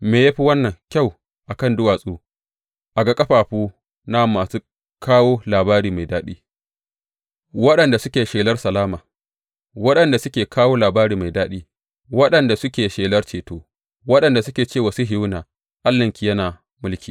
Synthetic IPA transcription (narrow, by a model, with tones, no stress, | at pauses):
meː˨jaː˦ɸi˦wɐ˦nːɐ˨ŋkʲa˦˨w | ʔa˨kɐ˦˨ndʊ˦waː˨sʼuː˦ | ʔa˨ɡa˦kʼɐ˦ɸaː˨ɸuː˦ | na˦mːaː˨suː˦ | kʰaː˦woː˦laː˨baː˦ɾiː˨ma˨jdaː˦ɗiː˦ | wɐ˦ɗɐ˨nda˨sʊ˦kʲeː˨ʃeː˨lɐ˦rsɐ˨laː˦maː˨ | wɐ˦ɗɐ˨nda˨sʊ˦kʲeː˨kʰaː˦woː˦laː˨baː˦ɾiː˨ma˨jdaː˦ɗiː˦ | wɐ˦ɗɐ˨nda˨sʊ˦kʲeː˨ʃeː˨lɐ˦rt͡ʃeː˨toː˦ | wɐ˦ɗɐ˨nda˨sʊ˦kʲeː˨t͡ʃeː˦˨wa˨˦su˦ɦɪ˦wnaː˨ | ʔa˦lːɐ˨ŋkʲi˨jɐ˦naː˨ | mʊ˦lkʲiː˨